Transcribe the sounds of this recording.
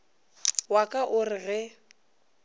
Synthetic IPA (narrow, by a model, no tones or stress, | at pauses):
wakʼaʔʊrɪɣɛ